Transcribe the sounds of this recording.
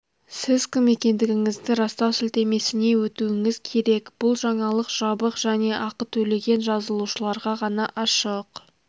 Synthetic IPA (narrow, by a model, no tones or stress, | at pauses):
sɪzkʲʰɪmːe̞kʲe̞nd̪ɪɡʲɪŋɪzd̪ɪɾɑst̪ɑwsɪlt̪e̞me̞sɪne̞wɵt̪uwɪŋɪzkʲʰe̞ɾe̞kb̥ʊlˠʒɑɴɑlˠəqʒ̥ɑbəqʒ̥æne̞ʔɑqət̪ʰɵle̞ɡʲe̞nʒɑzəlˠuʃəlˠɑɾʁɑʁɑnɑʔɑʃəq